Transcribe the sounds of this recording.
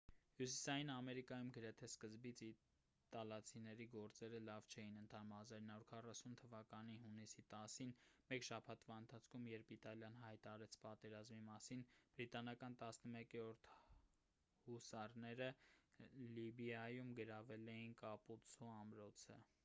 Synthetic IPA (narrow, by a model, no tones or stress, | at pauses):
hjusi̥sɑjinɑmɛɾikɑjumɡəɾɛt̪ʰɛskəzbit͡sʰi | t̪ɑlɑt͡sʰinɛɾiɡɔɾt͡sɛɾəlɑvt͡ʃʰɛjinənt̪ʰɑnumhɑzɑɾinːɑuɾkʰɑrɑsunt̪ʰəvɑkɑniɦunisit̪ɑsinmɛkʃɑpʰɑt̪ʰvɑənt̪ʰɑt͡sʰkʰumjɛɾpit̪ɑljɑnhɑjt̪ɑɑɾɛt͡sʰpɑt̪ɛɾɑzmimɑsinb̥əɾit̪ɑnɑkɑnt̪ɑsnəmɛkɛɔɾt̪ʰ | husɑrnɛɾə | libijɑjumɡəɾɑvɛlɛjinkɑput͡sʰuɑmɾɔt͡sʰə̰